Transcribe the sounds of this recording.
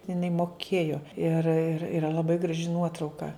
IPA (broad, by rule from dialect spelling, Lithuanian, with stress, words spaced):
ɪˈnɐɪ moːˈkʲeːjoː ɪr ɪr ɪˈrɐ lˠɐˈbɐɪ ɡrɐˈʒʲɪ ˈnuɔtrɐʊkɐ